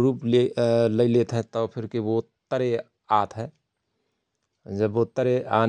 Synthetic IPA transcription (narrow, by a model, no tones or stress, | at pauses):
ɾuːpeləilet̪ɦɛt̪ɔpʰɪɾkeʋot̪əɾe | aːt̪ʰɦɛː | d͡ʒəbːot̪əɾeaːn